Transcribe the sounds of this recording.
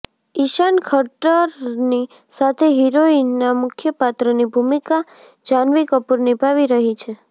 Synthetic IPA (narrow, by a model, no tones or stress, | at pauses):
iʃankʰəʈəɾni | sat̪ʰeɦiɾoinamʊkʰjəpat̪ɾənibʱumika | d͡ʒanʋikəpuɾnibʱaʋiɾəɦit͡ʃʰe